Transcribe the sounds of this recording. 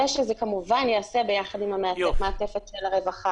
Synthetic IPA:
eʃezekamuvanjaːsebe̞jaχadimameatefmeat̪efetʃelaʁevaχa

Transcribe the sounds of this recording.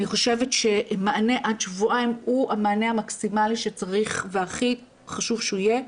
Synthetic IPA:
aniχo̞ʃe̞vetʃe̞maːne̞ʔadʃvuʔajmuamaːnehamaksimaliʃet͡saʁiχveaχi | χaʃuvʃuije̞

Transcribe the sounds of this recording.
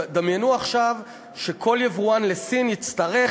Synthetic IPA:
d̪amjenuaχʃav | ʃekʰo̞ljevuanlesinjit͡st̪aʁe

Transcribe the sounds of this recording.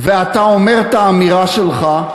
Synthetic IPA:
veat̪aomeʁt̪aːmiʁaʃelχa

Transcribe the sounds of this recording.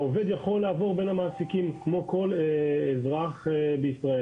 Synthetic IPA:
oved̪jaχo̞lːaːvoʁbenamaːsikimkmo̞ko̞leezʁaχbeisʁae

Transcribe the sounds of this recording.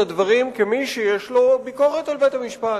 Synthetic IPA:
ad̪vaʁimkemiʃejeʃlo̞biko̞ʁet̪alvejt̪amiʃpa

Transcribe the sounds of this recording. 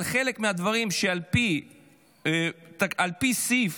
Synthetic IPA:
lχe̞le̞kmead̪vaʁimʃealpi | t̪aalpisif

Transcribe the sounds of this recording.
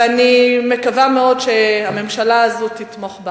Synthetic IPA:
anime̞kavameo̞dʃehame̞mʃalaːzot̪it̪mo̞χba

